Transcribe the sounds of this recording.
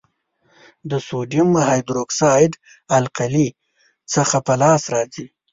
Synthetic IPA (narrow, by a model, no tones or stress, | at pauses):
d̪əsoɖimːəɦɑjd̪ɾoksɑjɖ | alqali | t͡səxapəlɑsɾɑzi